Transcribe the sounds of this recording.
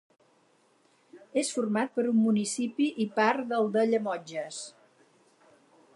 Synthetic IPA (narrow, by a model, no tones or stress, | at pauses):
esfurmat̪̚pəɾumːunisipiʔipaɾðəlˠd̪əʎəmɔd͡ʒəs